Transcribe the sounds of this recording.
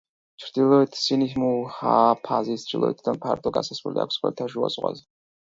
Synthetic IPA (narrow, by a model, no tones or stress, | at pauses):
t͡ʃʰɾd̪ilɔit̪ʰsinihmuhapʰazist͡ʃilˠɔ̰it̪ʰd̪anpʰaɾt̪ʼɔɡasasɛlia̰kʷsχɛlit̪ʰaʒua̰sʼqʼʷa̰zɛ